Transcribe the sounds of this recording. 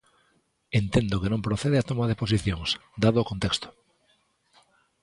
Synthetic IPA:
ent̪end̪okenõmpɾoθeð̞eat̪omað̞eposiθjoŋsd̪aðookont̪ekst̪o̥

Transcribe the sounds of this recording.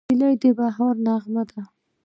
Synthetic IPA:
ilajd̪əbaɦɑɾnɑɣmad̪a

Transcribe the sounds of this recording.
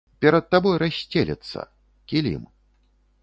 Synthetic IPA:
pʲɛɾɐt̪̚t̪ːabɔjɾasʲt͡sʲelʲɛ̰t̪sːɐ̰ | kʲilʲḭm

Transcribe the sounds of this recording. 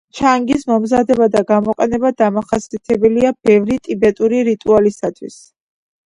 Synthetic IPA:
t͡ʃʰaŋɡismɔmzad̪ɛbad̪aɡamɔqʼɛnɛbad̪amaχasiat̪ʰɛbɛliab̥ɛvɾit̪ʼibɛt̪ʼuɾiɾit̪ʼualisat̪ʰwḭs

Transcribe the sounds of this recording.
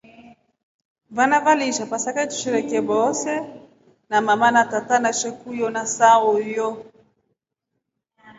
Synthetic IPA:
vanavaliʃapasakatu̥ʃɛɾɛkɛbɔsɛ | namamanatatanaʃɛkujɔnasaɔjɔ

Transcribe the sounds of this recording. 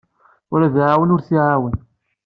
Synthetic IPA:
ʊɾæðʕawənʊɾθiʕawən

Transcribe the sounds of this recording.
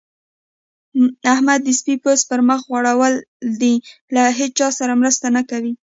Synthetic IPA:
ahmad̪ːəspipospəɾməxɣwaɽawəl | d̪ilaɦet͡st͡ʃɑsaɾamɾəst̪anakawi

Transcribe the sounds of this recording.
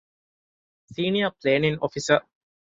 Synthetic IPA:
siːniəpleːnĩŋɔfisə

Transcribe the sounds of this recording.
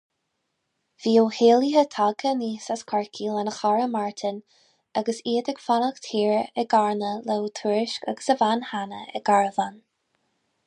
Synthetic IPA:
v̥iːəwheːliɦət̪ʰaɡəniːsaskʰaɹkʰilanəxaɹəmaɹt̪ʰən | aɡəsiːd̪əɡ̥fanəxt̪ʰiːɹɛɡaɹnəlɛwt̪ʰuɹɪʃkaɡə̥səvanhanəɛ̰ɡaɹəvan

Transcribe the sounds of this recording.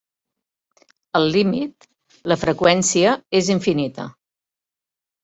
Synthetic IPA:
əlˠlimit̪ | ləfɾəkwɛnsiəeziɱfinit̪ə̰

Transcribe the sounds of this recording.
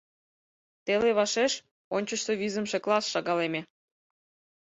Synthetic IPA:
t̪eleβɑʃeʃ | onʲt͡ɕə̆ʃt̪eβizə̆mʃeklˠɑsʃɑɣɑlemʲe

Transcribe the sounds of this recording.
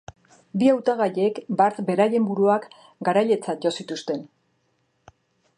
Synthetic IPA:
biawt̪aɣaʎe̞kbaɾt͡s̪be̞ɾaje̞mbuɾuak | ɡaɾaʎe̞t͡sat̪̚ɟo̞sit̪ust̪e̞n

